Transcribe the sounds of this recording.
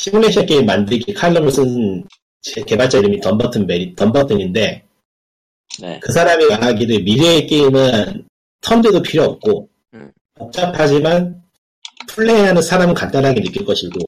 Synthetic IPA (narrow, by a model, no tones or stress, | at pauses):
ɕʰimuneɕʰek͈e̞imːandɯɭɡikʰaɭːɯmɯɭs͈ʰɯn | t͡ɕeke̞baɭt͡ɕ͈eɾimitʌmbʌtʰɯnbeɾitʌmbʌtʰɯɲinde̞ | nkɯsʰaɾamikaaɡiɾɯmiɾeːk͈e̞imɯn | tʰʌnd͡ʑedopʰiɾjʌːp̚k͈o | pok̚t͡ɕ͈apʰad͡ʑiman | pʰuɭːeɦeɦanɯnsʰaɾamɯɭkant͈anɦaɡenɯk͈iɭk͈ʌɕʰiɡo